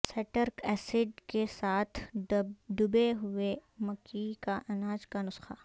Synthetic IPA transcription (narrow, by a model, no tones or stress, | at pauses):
sɛʈəɾkɛːsɪɖkesaːt̪ʰ | ɖʊbeɦʊemɐkikaʔɐnaːd͡ʒkanʊsxaː